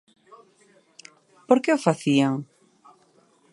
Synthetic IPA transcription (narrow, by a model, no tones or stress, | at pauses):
poɾkeofaθiaŋ